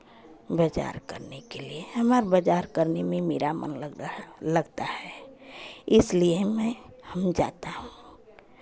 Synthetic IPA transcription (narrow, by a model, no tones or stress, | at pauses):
bəd͡ʒa̰ːɾkə̰ɾnekeliehəmaːɾbəd͡ʒaːɾkəɾnemẽmeːɾamə̰nlələɡt̪ahɛ | ɪsliemɛ̃həmd͡ʒa̰ːt̪aɦũː